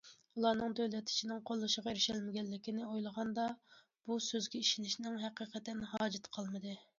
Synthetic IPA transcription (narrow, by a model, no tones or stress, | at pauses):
ulˠɑnɨŋd̪øwlɛt̪ʰːɪ̥t͡ʃʰinɪŋqʰolˠːɨʃəʁɑeɾɪʃɛlmɪɡʲɛnlːɪkʲʰinɪojlˠəʁɑnd̪ɑ | b̥usøzɡʲɛiʃinɪʃnɪŋɦæqiːqʰət̪ɪnɦɑːd͡ʒɪt̪qʰɑlˠmɨd̪ɨ